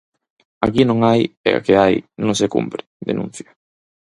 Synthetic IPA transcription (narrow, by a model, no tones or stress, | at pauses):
a̰kinõŋajɛ̰a̰keajnõŋsekṵmpɾɪðḛnũn̟θja